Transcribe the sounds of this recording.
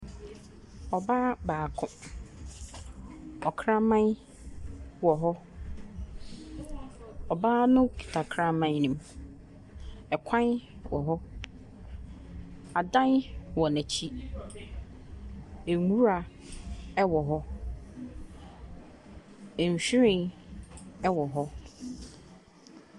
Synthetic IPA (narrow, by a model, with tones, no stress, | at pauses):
ɔ˨baː˦baː˨kʰʊ̃˦ | ɔ˨kʰɾa˦mã˦n˦ | wɔ˨ɦɔ˦ | ɔ˨baː˦nʊ̃˦kʰi̥˨tʰa˨kʰɾã˦mã˦n˦nĩ˨˦m | ɛ˨kʷʰã˦n˦ | wɔ˨ɦɔ˦ | a˨dã˦n˦wɔ˨næ̃˨t͡ɕʰi˦ | e˨ŋu˦ɾa˨ | ɛ˦wɔ˨ɦɔ˦ | ɛ˨ɲ˨ɕᶣi˦ɾɪ̃˨˦ | ɛ˦wɔ˨ɦɔ˦